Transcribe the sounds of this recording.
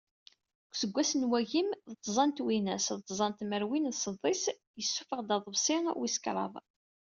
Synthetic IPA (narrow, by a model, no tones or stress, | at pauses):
kʷːsəɡʷːæsənwæʝimðət̪ˤːzˤɑnt̪winæsðət̪ˤːzˤɑnt̪məɾwinðsˤəd̪ˤːis | jəsːufəʁd̪ɑðˤəbsˤɪʁwiskɾˤɑ̰ðˤ